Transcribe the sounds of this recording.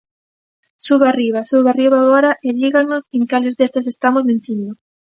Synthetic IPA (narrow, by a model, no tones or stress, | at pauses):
suβariβ̞asuβariβaɣɔɾaʔeʎiɣanoseŋkalezðest̪asest̪amozmẽnt̪ind̪o